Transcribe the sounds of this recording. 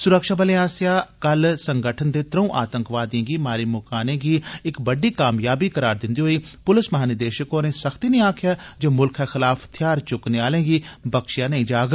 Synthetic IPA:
sʊɾəkʃaːbəleaːsijaːkəlsəŋɡəʈʰənd̪eːt̪ɾəũːʔa̰ːt̪ə̃ŋkʋaːd̪ẽːɡiːmaːɾiːmʊkaːnẽːɡiːɪkbəɖiːkaːmjaːbiːkəɾaːɾd̪ɪ̃nd̪iːɦoːiːpʊlɪsməɦaːnɪd̪eːʃəkoːnẽːsəxʰt̪iːnĩːaːkʰjaːd͡ʒoːmʊlkʰɛːxɪlaːft̪ʰɪjaːɾt͡ʃʊkneːaːlẽːɡiːbəkʃjaːnə̃ĩːd͡ʒaːɡ

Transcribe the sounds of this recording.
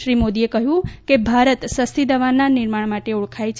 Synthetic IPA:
ɾimod̪iekəɦjũkebʱaɾət̪səst̪id̪əʋanːanɪɾmaɳ̃maʈeuɭkʰajt͡ʃʰ

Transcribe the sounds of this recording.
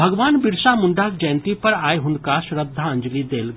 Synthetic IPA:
bʱɐɡʋaːnbɪɾʃamʊ̃ɳɖaːk̚d͡ʒɛːnt̪ipɐɾaːeɦʊnkaʃɾəd̪ʱːaɐ̃ɲd͡ʒlid̪eːl

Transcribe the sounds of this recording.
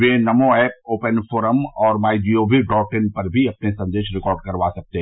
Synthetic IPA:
ʋenɐmõɛːp̚oːpənfʰoːɾəmɔːɾmaːid͡ʒiːoːbʱiɖɔːʈɪnpɐɾbʱiɐpnesɐ̃nd̪eːʃɾɪkɔːɾɖ̚kɐɾʋaːsɐk̚t̪e

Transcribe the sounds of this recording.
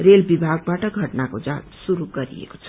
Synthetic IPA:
relbibʱaɡ̚baʈʌɡʱʌʈnakod͡zasuɾuɡʌɾḭḛko̥t͡sʰʌ

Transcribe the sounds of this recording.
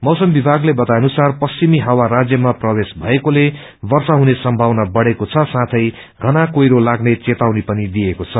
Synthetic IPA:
mʌwsʌmbibʱaɡlebʌt̪ajʌnusarpʌst͡ɕimiɦawarad͡zjʌmaprʌbesbʱʌekole | bʌrsaɦunesʌmbʱawnabʌɽekot͡sʰʌsãt̪ʰʌj | ɡʱʌnakojɾolaɡnet͡set̪awnipʌnid̪ijekot͡sʰʌ

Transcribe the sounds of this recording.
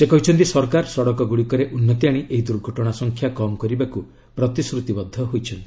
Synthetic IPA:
sekɔɦit͡ʃʰɔnt̪isɔɾkaɾsɔɽɔkɔɡuɽikɔɾeʔunːɔt̪iaɽ̃iʔeɦid̪uɾɡʱɔʈɔɽ̃asɔŋkʰjakɔmɔkɔɾibaku | pɾɔt̪isɾut̪ibɔd̪ʱːɔɦojt͡ʃʰɔnt̪i

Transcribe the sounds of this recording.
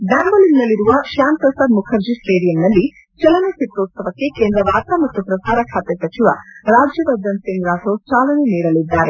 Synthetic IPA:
ɖaːmbɐlinːɐlːiɾuʋɐʃaːnpɾɐsaːd̪mukʰɐɾd͡ʒisʈeːɽijɐmnɐlːi | t͡ʃɐlɐnesip̪ɾot̪sɐʋɐkːe̞keːnd̪ɾɐʋaːɾt̪amɐt̪ːupɾɐsaːɾɐkʰaːt̪esɐt͡ʃiʋɐ̰ɾaːd͡ʒjɐd̪ɐd͡ʒ̪ɐnsiŋɡɾaːsot͡ʃaːlɐneniːɾɐlid̪ːaːɾe

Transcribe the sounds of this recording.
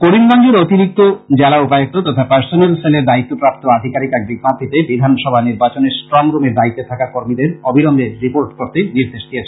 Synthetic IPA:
koɾimɡand͡ʑeɾot̪iɾik̚t̪od͡ʑɛlaupajok̚t̪ot̪ɔt̪ʰapaɾsonelseleɾd̪ait̪ːopɾap̚t̪oad̪ʱikaɾikɛk̚biɡmad̪ʱit̪ebid̪ʱanʃɔbʱaniɾbat͡ɕoneɾsʈɾɔmɾumeɾd̪ait̪ːet̪ʰakakoɾmid̪eɾɔbʱiɾomdeɾipoɾʈkoɾt̪eniɾd̪eʃdiet͡ɕʰe

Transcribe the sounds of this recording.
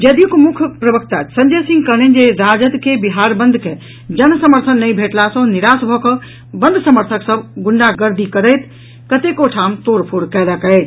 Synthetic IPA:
d͡ʒed̪ijukmukʰpɾəbəkt̪asənd͡ʒesĩŋɡkənend͡ʒeɾad͡ʒət̪kebiɦaɾbə̃nd̪ʱke | d͡ʒənsəməɾt̪ʰənːəjbʱeʈlasə̃niɾasbʱɔkə̃ | bə̃nd̪ʱsəməɾt̪ʰəksəbɡuɳɖaɡəɾd̪ʱikəɾəjt̪ | kət̪ekoʈʰamt̪oɾpʰoɽkɛləkɛɪ

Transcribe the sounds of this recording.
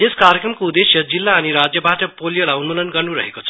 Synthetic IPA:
eskarjəkrʌmkoud̪esjʌd͡zilːaːniɾad͡zjʌbaʈʌpolijolaunmulʌnɡʌrnuɾʌ̰ɦekot͡sʰʌ̥

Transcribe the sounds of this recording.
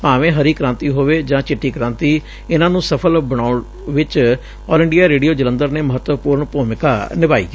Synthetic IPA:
paːʋẽːɦəɾiːkɾãːnt̪iːɦoːʋeːd͡ʒãːt͡ʃɪʈːiːkɾãːnt̪iː | ɪnãːnũːsəpʰəlbəɽ̃aːʊɳ | ʋɪt͡ʃ | ɔːlɪɳɖijaːɾeːɖijoːd͡ʒələ̃nd̪əɾneːməɦət̪wəpuːɾəɳpoːmɪkaːnɪʋaːḭːkː

